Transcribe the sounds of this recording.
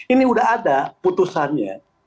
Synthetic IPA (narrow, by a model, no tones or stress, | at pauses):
iniudaadaput̪usanɲa̰